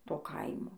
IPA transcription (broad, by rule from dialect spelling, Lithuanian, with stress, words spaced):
ˈtoː ˈkɐɪmoː